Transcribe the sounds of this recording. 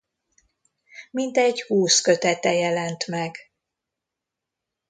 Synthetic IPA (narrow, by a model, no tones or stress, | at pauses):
mint̪ɛɟhuːskøt̪ɛt̪ɛjɛlɛnt̪mɛɡ